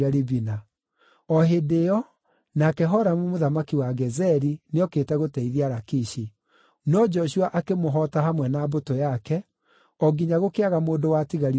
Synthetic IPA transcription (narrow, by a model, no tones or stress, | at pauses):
aɾibina | ɔɦedeɔ | nakɛɦɔɾamumoðamakiwaɡɛzɛɾineɔkeːtɛɣotɛiðiaɾakiʃi | nɔd͡ʒɔɕuaʔakemoɦɔtaɦamwɛnabotojakɛ | ɔɡiɲaɣokeaɣamoːndowatiɣaɾi